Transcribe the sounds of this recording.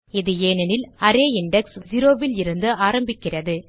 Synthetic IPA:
ɪðɯeːnɐnɪlɐɾeːɪɳɖɛksd͡ʒɪɾoːʋɪlɪɾɯnd̪ɯaːɾɐmbɪkːɪrɐðɯ

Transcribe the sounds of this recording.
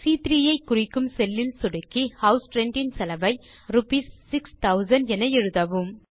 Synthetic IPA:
siːt̪ɾijɐɪkːʊrɪkːɯmsɛlːɪlsʊɽɯkːihɐʊsʈɾɛɳɖɪnsɐlɐʋɐɪɾʊpiːsːɪkst̪ɐʊzɐnɖɛnɐjɛɻɯðɐʋɯm

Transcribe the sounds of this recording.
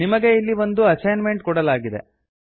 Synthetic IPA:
nimɐɡe̞ilːiʋond̪uɐt͡ʃɐjnme̞ɳʈkɔɽɐlaːɡid̪e̞̰

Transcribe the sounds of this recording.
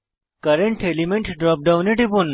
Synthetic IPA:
kɐɾeɳʈelimẽɳʈɖɾɔːp̚ɖawũneʈipun

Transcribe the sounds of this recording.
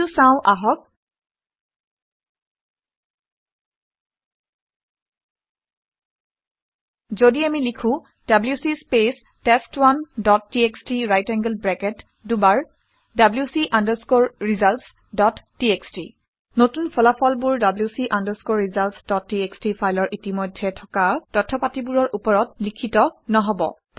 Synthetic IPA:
tusãʊ̃ʔaɦɔk̚ | zodiamilikʰʊ̃ | d̥abljusispes | tɛstwandɔtːiekstɹiɹajtɛŋɡəlbɹɛkɛt | dubaɹ | dabljusiʔandəɹskoɹːizalts | dɔtːiekstḭ | notunpʰɔlapʰɔlbuɹdabljusiʔandəskoɹːizaltsdɔtːiekstɹipʰajlɔɹʔitimɔjdʱːɛtʰɔkatɔtʰːɔpatibuɹɔɹʔupɔɹɔtlikʰitɔnɔɦɔbɔ̰

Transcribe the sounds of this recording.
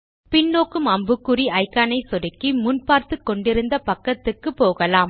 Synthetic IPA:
pɪnːoːkɯmɐmbɯkːɯɾiʔɐɪkːɐːnɐɪsɔɽɪkːimʊnpaːɾt̪ɯkːɔɳɖɪɾɯnd̪ɐpɐkːɐt̪ːɯkːɯpoːɣɐlaːm

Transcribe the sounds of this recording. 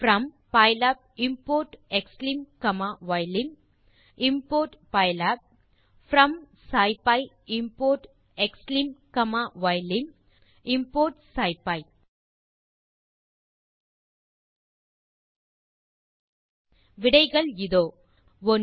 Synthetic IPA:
fɾɐ̃m | paɪlap̚ | ɪmpoːɾʈɛkslimkɐmaʋaɪlɪ̃ŋ | ɪmpoːɾʈpaɪlaːp̚ | fɾɐ̃m | saɪpaɪ | ɪmpoːɾʈ | ɛkslimkɐmaːʋaɪlɪ̃ŋ | ɪmpoːɾʈsaɪpaɪ | ʋɪɽɐɪɣɐɭɪðoː | ʋɔn

